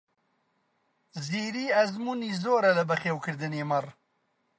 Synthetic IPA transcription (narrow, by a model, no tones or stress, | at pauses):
ziːɾiːɐzmuːniːzoːɾɐlɐbɐxeːwkʰɨɾd̪ɨneːmɐr